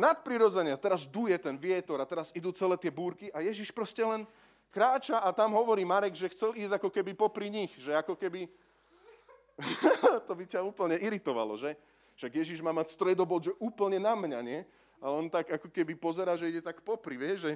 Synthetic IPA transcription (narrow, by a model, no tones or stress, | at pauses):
nat̪̚pɾiɾɔd͡zɛɲɪat̪ɛɾazd̪ujɛt̪ɛnʋɪɛt̪ɔɾat̪ɛɾazid̪uːt͡sɛlɛːt̪ɪɛbuːɾkiʔajɛʒiʃpɾɔscɛlɛn | kɾaːt͡ʃaʔat̪amɦɔʋɔɾiːmaɾɛɡʒɛxt͡sɛliːzakɔkɛbipɔpɾiɲixʒɛakɔkɛbi | t̪ɔbicauːpl̩ɲɛiɾit̪ɔʋa̰lɔ̰ʒɛ | ʃaɡjɛʒiʒmaːmacst̪ɾɛd̪ɔbɔʒɛʔuːpl̩ɲɛnamɲaɲɪɛ | alɛɔnt̪aɡakɔkɛbipɔzɛɾaːʒɛiɟɛt̪akpɔpɾiʋɪɛʒʒɛ